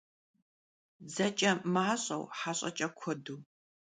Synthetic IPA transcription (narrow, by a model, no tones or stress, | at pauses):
zɐt͡ʃʼɐmaːɕʼɐ̰wħaːɕʼɐ̰t͡ʃʼɐkʷʰɔduː